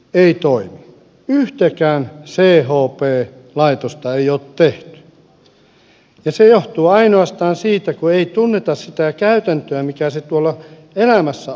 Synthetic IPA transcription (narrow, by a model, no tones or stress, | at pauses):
eit̪oimi | yht̪ekæːnseːhoːpeː | lɑit̪ost̪ɑeioːtt̪eht̪y̥ | jɑsejoht̪uːɑinoɑst̪ɑːnsiːt̪ækueit̪unːet̪ɑssit̪ækæyt̪ænt̪øæmikæset̪uolːɑ | elæmæsːæ